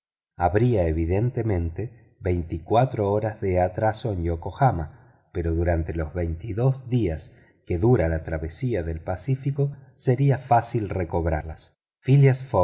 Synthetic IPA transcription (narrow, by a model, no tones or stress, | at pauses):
aβɾiaeβ̞iðe̞nt̪emẽ̞nt̪e | βejnt̪ikwat̪ɾooɾazðeat̪ɾasoenjokoxama | peɾo̞ðuɾant̪elo̞zβejnt̪iðo̞zðias | ke̞ðuɾalat̪ɾaβesiaðe̞lpasifikoseɾiafasilreko̞βɾa̰las | filjasfo